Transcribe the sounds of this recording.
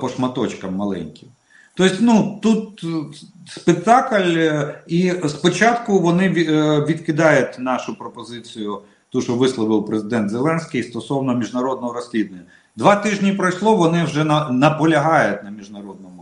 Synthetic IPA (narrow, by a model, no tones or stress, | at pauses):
pɔʃmɐt̪ɔt͡ʃkɐmːɐlˠɛ̰nʲkʲiw | t̪ɔɪsʲtʲnut̪ut̪ | spek̚t̪ɑkɐlʲispɔt͡ʃɑt̪kʊʋɔnɪʋʲʋʲid̪kɪd̪ɑjʊt̪ʲnɑʃʊpɾɔpɔzɪt͡sʲijʊ | t̪uʒɔʋɪslˠɔʋɪwpɾezɪd̪ɛnt̪zelˠɛnsʲkʲijst̪ɔsɔwnɔmʲiʒnɐɾɔd̪nɔɦɔɾɔsʲlʲid̪nenʲːɐ | d̪ʋɑt̪ɪʒnʲipɾɔjslˠɔʋɔnɪwʒɛɐnɐpɔlʲɐɦɑjʊt̪ʲnɐmʲiʒnɐɾɔd̪̚nɔmʊ